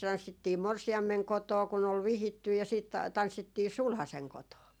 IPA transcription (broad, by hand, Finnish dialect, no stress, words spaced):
tɑnsːitːiː morsiɑmːeŋ kotoː kun ol ʋihitːyj̆ jɑ siːt tɑnsːitːiː sulhɑseŋ kotoː